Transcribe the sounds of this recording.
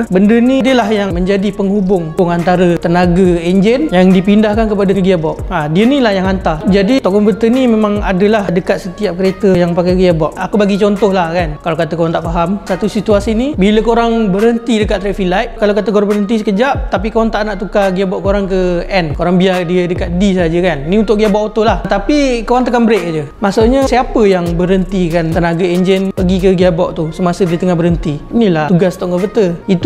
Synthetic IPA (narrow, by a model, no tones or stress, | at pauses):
bəndənidəlaɦjaŋməɲd͡ʒadipəŋɦubʊŋʊŋant̪aɾət̪ənaɡaeɲd͡ʒɛnjaŋdipindahkankəpadəkɡiabɔʔ̚adiənilahjaŋant̪ad͡ʒadit̪ɔʔkɔmput̪ənimemãŋadəlahdəkat̪̚sət̪iap̚kəɾet̪əjaŋpakaɡiabɔʔakubaɡit͡ʃɔnt̪ʊhlahkankalakat̪əkoɾaŋt̪aʔfaɦamsat̪usit̪uasinibiləkoɾaŋbəɾɦənt̪idəkat̪ɾɛʔfilajʔkalawkat̪əɡɔrbəɾənt̪̬is̬əkəd͡ʒap̚t̪apikawaŋt̪aʔnaʔt̪ukaɡiabɔʔkoɾaŋkəɛnkoɾaŋbiadidəkat̪̚disad͡ʒəkaninĩunt̪ʊʔɡiabɔʔot̪ʊlaht̪apikoɾaŋt̪əkanbəɾeʔkad͡ʒə | masoʔɲəsiapəjaŋbəɾɦənt̪ikant̪ənaɡaend͡ʒənpəɡikəɡiabɔʔt̪usəmasədɾit̪əŋahbəɾɦənt̪iinilat̪uɡast̪ɔʔŋəvət̪əit̪u